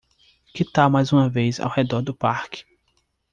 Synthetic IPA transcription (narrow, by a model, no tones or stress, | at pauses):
kɪt̪amajzũmɐvejza̰whed̪ɔɾd̪ʊpaɾkɪ̥